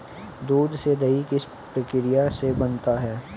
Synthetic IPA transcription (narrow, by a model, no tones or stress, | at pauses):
d̪uːd̪sed̪ɐikɪs | pɾəkɪɾɪjasebɐnt̪aɦɛː